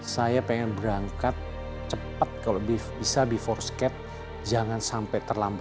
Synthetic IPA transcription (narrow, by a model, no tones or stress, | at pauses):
sajapɛŋɛnbəɾaŋkat̪̚ | t͡ʃəpat̪̚kaloʔbibisabifɔrskɛt̪̚ | d͡ʒaŋansampɛt̪ərlamba